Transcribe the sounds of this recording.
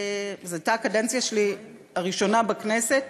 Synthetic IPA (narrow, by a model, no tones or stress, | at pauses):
zeat̪akadent͡sjaʃeli | aʁiʃo̞nabakneset